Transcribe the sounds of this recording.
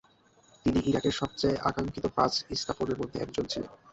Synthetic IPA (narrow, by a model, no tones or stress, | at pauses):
t̪iniʔiɾakeɾʃɔb̚t͡ɕaeʔa̰kaŋkit̪opasist̪ʰaponeɾmod̪ʱːeɛ̰k̚d͡ʑont͡ɕʰilḛn